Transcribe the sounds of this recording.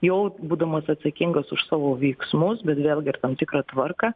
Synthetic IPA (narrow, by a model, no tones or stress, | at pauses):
jɛʊbuːd̪ɐmɐsɐt̪sɐkʲɪŋɡɐsʊʃsɑːʋoːʋʲɛɪksmʊsbʲɛt̪ʋʲeːlˠɡʲɪɪrt̪ɐmt̪ʲɪkɾɐːt̪ʋɐrkɐ